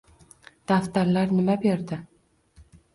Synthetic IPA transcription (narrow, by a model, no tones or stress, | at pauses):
d̪̥aft̪aɾlaɾnɪmabe̞ɾd̪ɪ